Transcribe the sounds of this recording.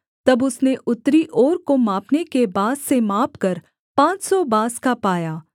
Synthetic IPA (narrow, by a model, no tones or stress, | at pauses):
t̪ɐbʊsneʔʊt̪ːɾiʔɔːɾkomaːpnekebaːssemaːpkɐɾ | pãːt͡ʃsɔbaːskapaːjaː